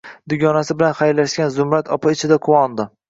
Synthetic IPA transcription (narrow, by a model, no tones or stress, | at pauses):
d̪ʊɡʲɒnasɪbɪlanχajlaʃkʲanzʊmɾat̪ʰɒpʰaɪt͡ʃʰɪd̪aqʰʊwɒnd̪ɪ